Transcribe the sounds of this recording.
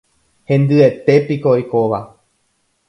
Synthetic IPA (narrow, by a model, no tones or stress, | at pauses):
hẽ̞nd̪ɨe̞t̪e̞pikoojkoʋa